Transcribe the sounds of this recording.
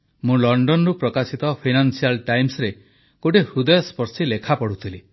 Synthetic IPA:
mũlɔɳɖɔnɔɾupɾɔkasit̪ɔpʰinansialʈajmsɔɾe | koʈehud̪ɔjɔspɔɾsilekʰapɔɽut̪ʰili

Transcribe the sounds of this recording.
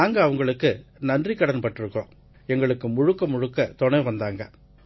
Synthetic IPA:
aːŋɡɐːʋɐŋɡɐɭɯkːɯnɐndriɪkːɐɽɐnpːɐʈːɪɾɯkːõː | ɛŋɡɐɭɯkːɯmʊɻɯkːɐmʊɻɯkːɐt̪ɔɳɐjʋɐnd̪aːŋɡɐ

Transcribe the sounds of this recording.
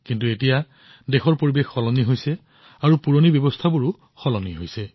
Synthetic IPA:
kintuetija | dexɔɹpoɹibexːɔlɔniɦojsɛ | aɹupuɹonibjɔbɔst̪ʰabuɹu | xɔlɔniɦojsɛ

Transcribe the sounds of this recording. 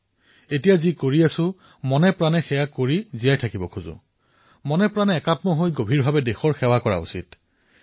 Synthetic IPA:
etijazikoɹiasʊ̃ | mɔnɛpɹanɛxɛjakoɹizijajtʰakibɔkʰuzʊ̰ | mɔnɛpɹanɛːkatmɔɦojɡobʱiɹbʱabɛdexɔɹxɛwakɔɹa̰ṵsḭt

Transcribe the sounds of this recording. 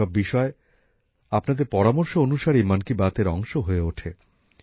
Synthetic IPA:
ɔbːiʃɔe | apnad̪eɾpɔɾamoɾʃoonuʃaɾimankibat̪eɾɔŋʃoɦoeoʈʰe

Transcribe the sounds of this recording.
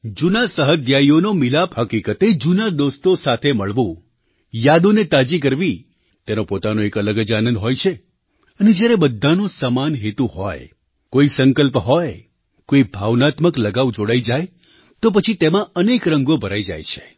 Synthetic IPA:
d͡ʒunasəɦəd̪jaionomilapɦəkikət̪ed͡ʒunad̪ost̪osat̪ʰeməɭʋũ | jad̪onet̪ad͡ʒik̬əɾʋi | t̪enopot̪anoekələɡəd͡ʒanənd̪ɦojt͡ʃʰe | əned͡ʒjaɾebəd̪ʱːanosəmanɦet̪uɦɔ̰j | koisəŋkəlpɦɔj | koibʱaʋnat̪məkləɡaʋũd͡ʒoɽaid͡ʒaj | t̪op̬ət͡ʃʰit̪emãənekɾəŋɡobʱəɾaid͡ʒa̰jt͡ʃʰe̥

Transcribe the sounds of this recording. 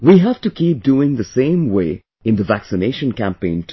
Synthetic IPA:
wiɦæv̥tɨkʰiːp̚duːɪ̃ŋðəsẽɪ̃mweɪ | ɪ̃nd̪əvæksɨneʃə̃nkæ̃mpẽɪ̃ntʰ

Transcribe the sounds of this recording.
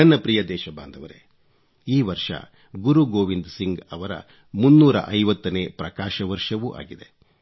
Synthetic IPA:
ɐnːɐpɾijɐd̪ɛːʃɐbaːnd̪ʱɐʋɐɾe | iːʋɐɾʂɐ̰ | ɡuɾuɡoːʋind̪siŋɡɐʋɐɾɐ̰ | munːuːɾɐ̰ʔɐjʋɐt̪ːɐneːpɾɐkaːʃɐʋɐɾʂɐʋuʔa̰ːɡid̪e̞

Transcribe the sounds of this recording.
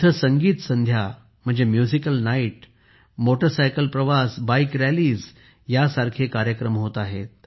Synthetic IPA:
t̪ʰəsəŋɡiːt̪sənd̪ʱja | m̤əɳd͡zemjuzikəlnaiʈ̚ | moʈəɾsajkəlpɾəʋasbaikɾæliːz | jasaɾkʰekaɾjəkɾəmɦot̪aɦet̪̚

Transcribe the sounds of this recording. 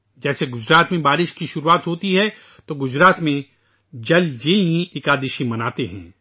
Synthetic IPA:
d͡ʒɛːseɡʊd͡ʒɾaːt̪mẽbaːɾɪʃkiʃʊɾuaːt̪ɦoːt̪iɦɛ | t̪oɡʊd͡ʒɾaːt̪mẽ | d͡ʒɐld͡ʒeːljĩɪkaːd̪ɪʃĩmɐnaːt̪eɦɛ̰̃ː

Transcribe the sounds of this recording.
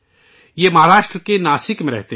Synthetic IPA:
jemɐɦaːɾaːʃʈɾəkenaːsɪkmẽɾɛɦt̪e

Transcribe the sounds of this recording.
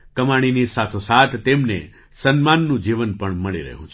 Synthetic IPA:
kəmaɽ̃inisat̪ʰosat̪ʰt̪ːemnḛ | sənmanːũd͡ʒiʋənpəɳməɭḭɾə̰ɦũt͡ʃʰ

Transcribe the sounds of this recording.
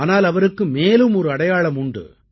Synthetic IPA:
naːlɐʋɐɾɯkːɯmeːlɯmɔɾɯɐɽɐjaːɭɐmʊɳɖɯ̰

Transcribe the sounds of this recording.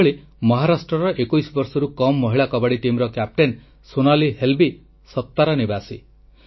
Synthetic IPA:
ɭi | mɔɦaɾasʈɾɔɾɔʔekujsɔbɔɾsɔɾukɔmːɔɦiɭakɔbaɽiʈimɾɔkap̚ʈen | sonalihelbi | sɔt̪ːaɾɔnibasi

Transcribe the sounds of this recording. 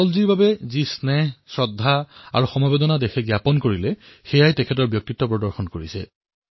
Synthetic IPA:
ɔlziɹbabɛzisnɛhsɹɔdʱːaa̰ɹuxɔmɔbedɔnadexɛɡjapɔnkoɹilɛ | xɛjajtɛkʰɛt̬ɔɹbjɔk̚titːɔpɹɔdɔɹxɔnkoɹisɛ̰

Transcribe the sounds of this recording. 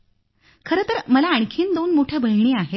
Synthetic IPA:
kʰəɾət̪əɾməlaːɳ̃kʰiːnd̪onmoʈʰjabʱəjɳiːaɦe

